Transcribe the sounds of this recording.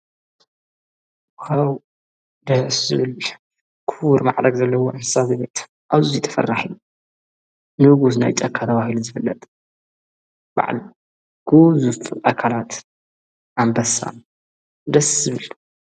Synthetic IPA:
kʰaw | d̪ɐhszɨβɨl | kʰuwuɾmaʕɾɐɡzɐlːɐwoʔɨnɨ̥sazɨbe̞t̪ | ʔaβzuit̪ʰɐ̥fɐ̰rːaħiju | nɨɡus̬na̰jt̪ʼɐkʰːat̪ʰɐβahiluzɨfɨlːɐt̪ʼ | ba̰ʕli | ɡ̥uzufʔakʰalat̪ | ʔambɐsa̰n | d̪ɐszɨβɨl

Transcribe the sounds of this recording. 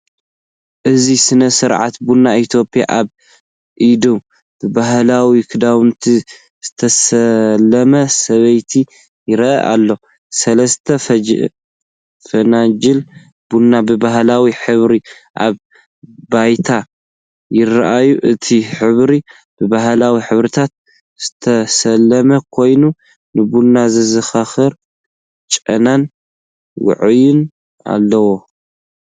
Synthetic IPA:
ʔɨzisɨnɐsɨɾʕa̰t̪bunːait̪ʰjo̞pʼija̰ʔaβ | ʔid̪o | b̥ɨbahlawikʰɨd̪aβɨnt̪ʰi | z̥ɨt̪ʰɐsɐlɐmɐsɐβɐjt̪ʰi | jɪɾɐʔɐ̰ʔa̰lːo̞ | sɐlɐst̪ʰɐ | fɐnad͡ʒɪl | bunːabɨbaɦlawiħɨβɾi | ʔa̰β | bajt̪ʰa | jɪraʔajuʔɨt̪ʰiħɨβɾi | b̥ɨbaɦlawiħɨβɾɨt̪ʰat̪̚ | z̥ɨt̪ʰɐsɐlːɐmɐkʰo̞jnu | nɨbunːazɨzɨxaxɨɾ | t͡ʃʼɐ̰nan | wʊ̰ʕɨjɪn | a̰lːɐwo

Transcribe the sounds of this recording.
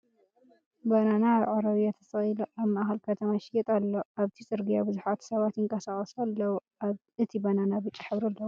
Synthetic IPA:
bananaβʕaɾɐβjat̪ʰɐsɐiloʔaβmaʔaxɐlkʰɐt̪ʰɐmaʃɪjɛt̪ʼalːoʔaβt̪ʰisʼɨɾɡijabɨzuħat̪sɐβat̪jɪŋkʼɐsaχʼɐsalːɐw | ɨt̪ʰibananabɨt͡ʃʼiħɨβɾɐlːɐwu

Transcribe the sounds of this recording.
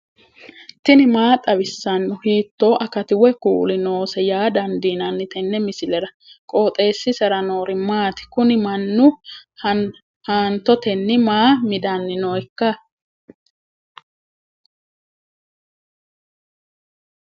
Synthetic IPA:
t̪ɪnɪmaːt̪ʼɐbɪsːɐnːʊhiːt̪ːo̞ːʔɐkɐt̪ɪwɛkṵːlɪno̞ːsɛjaːd̪ɐnd̪iːnɐnːɪt̪ɛnːɛmɪsɪlɛɾɐ | kʼo̞ːt̪ʼe̞ːsːɪsɛɾɐnoːɾɪmaːt̪ɪ̥kʊnɪmɐnːʊ | haːnt̪ɔt̪ɛnːɪmaːmɪd̪ɐnːɪnoːɛkːɐ

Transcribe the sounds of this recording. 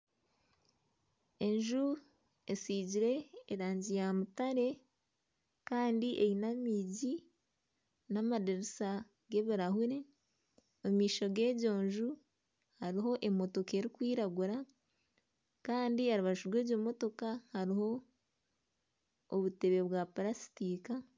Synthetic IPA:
e̞ɲʒu | esiːɟiɾe̞ːɾaːɲɟijamutaɾe̞ | kaːndiʔejinamiːɟi | namadeɾisa | ɡe̞βiɾahuɾe | omiːʃo̞ɡe̞ːɟo̞ːɲʒu | haɾiɦo̞ʔe̞mo̞to̞ke̞ɾikwiːɾaɡuɾa | kaːndiaɾuβaʃuɾwe̞ːɟo̞mo̞to̞kahaɾiho̞ | βute̞βe̞βwapaɾasi̥tiːka

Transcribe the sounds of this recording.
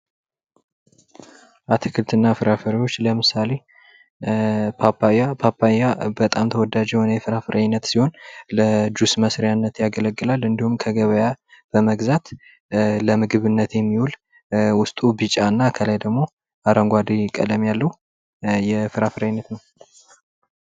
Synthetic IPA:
ʔat̪ʰɨkʰɨlt̪ʰɨnːafɨɾafəɾwo̞t͡ʃːləmɨsale̞ | apajapʰapʰːajabət̪ʼamt̪ʰəwɔd̪ad͡ʒɛhonəjɛfɨɾafɨɾaɲnːət̪siho̞nləd͡ʒusməsɾjanːət̪jaɡələɡːɨlalɨnd̪ihumkʰəɡəβəjab̥əməɡzat̪ | ləmɨɡɨβɨnːət̪jɛmːiwul | wʊst̪ʼubɨt͡ʃʼaɨnːakʰəlajd̪əɡmo̞ | ʔaɾəŋɡʷad̪ikʼə̰d̪əmjalːəhu | jɛfɨɾafɨɾajnːət̪nəw

